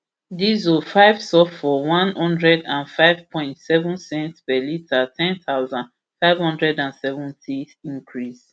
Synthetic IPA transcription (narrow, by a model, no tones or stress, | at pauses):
dizofaɪv̥sɔffɔwãnhɔ̃ndɹɛdãnfaɪvpʰɔ̃ɪ̃ntsɛvũnsɛ̃ntpɛlitʰatʰɛ̃nθaʊzãn | faɪv̥hɔ̃ndɹɛdãnsɛvɔ̃ntʰi | ĩŋkʰɹis